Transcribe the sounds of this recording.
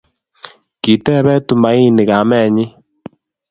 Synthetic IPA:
ki˨tɛ˦βɛ˦tu˨ma˨˦i˦nɪ˨ɣa˨˦mɛ˦˨ɲɪ˦

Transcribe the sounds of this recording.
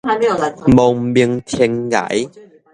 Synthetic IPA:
mo˨˩ŋ͡mmi˧əŋt̪ʰi˧ŋɡa̰˨˩˦j

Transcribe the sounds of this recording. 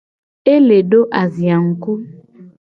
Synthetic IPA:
e˦le˨ɖo˦ʔa˨zi˨a˨ŋ̩˨ku˦

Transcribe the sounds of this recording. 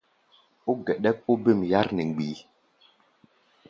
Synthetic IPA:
u˦ɡɛ˨ɗɛ˦k̚u˦be˦˨mja˦ɾnɛ˨ɡ͡bi˨˦

